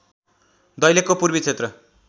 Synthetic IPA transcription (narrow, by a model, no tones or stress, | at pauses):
d̪ʌjlekːopurbit͡sʰet̪rʌ